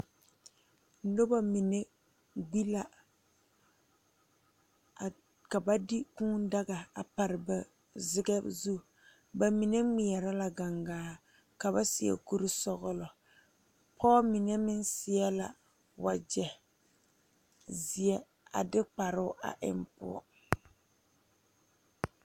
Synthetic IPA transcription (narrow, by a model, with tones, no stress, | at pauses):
n̩˨˦do˦ba˨mi˨ne˦ | ɡ͡bi˦la˨ | ka˨ba˦di˦kũː˦n˦da˦ɡa˨a˨pa˨ɾɪ˨ba˨ | zɪ˦ɡɛ˦zu˦ | ba˨mi˨ne˦mɪ˨ɛ˨ɾa˦la˨ɡa˨ŋɡaː˨ | ka˨βa˦sɪ˨ɛ̰˨ku˦ɾi˦sɔ˦ɣʊ˦lɔ˨ | pʰɔː˦mi˨ne˦mɪ˦nsɪ˨ɛ˦la̰˨ | wa˨d͡ʒɛ˨ | zɪ˨ɛ˦ | a̰˨dɪ˦k͡pa˨ɾʊ˦ʊ˦ʔa̰˨ʔɪ̰˦mpʊ̰˦ɔ̰˦